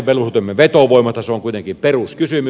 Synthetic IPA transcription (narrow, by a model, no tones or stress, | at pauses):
peluht̪oˑmːeʋet̪oʋoˑimɑst̪ɑseoŋkuit̪eŋkimperuskysymy